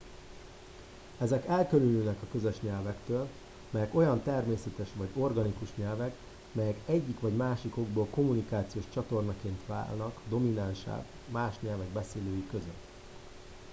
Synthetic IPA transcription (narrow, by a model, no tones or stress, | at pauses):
ɛzɛkɛlkølynyːnɛkɒkøzøʃɲɛlvɛkt̪øːl | mɛjɛko̞jɒnt̪ɛrmeːsɛt̪ɛʃʋɒɟo̞rɡɒnikuʃɲɛlvɛk | mɛjɛkɛɟːikʋɒɟmaːʃiko̞ɡboːlko̞munikaːt̪sijoːʃt͡ʃɒt̪o̞rnɒkeːnt̪ʋa̰ːlnɒkd̪o̞minanʃa̰ːk | maːʃɲɛlvɛɡ̚bɛseːløːjikøzøt̪ː